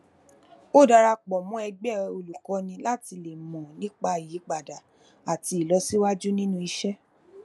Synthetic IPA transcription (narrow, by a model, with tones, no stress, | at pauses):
o˦˨da˧ɾa˧k͡pɔ˨mɔ̃˨˦ɛ˧ɡ͡bɛ˦˨o˧lu˨kɔ˨˧nĩ˧la˦ti˧le˨mɔ̃˨nĩ˦k͡pa˧˨ji˨˦k͡pa˨da˨ | a˨ti˧˦˨lɔ˨˧si˦wa˦d͡ʒu˦nĩ˦nũ˦i˧ʃɛ˦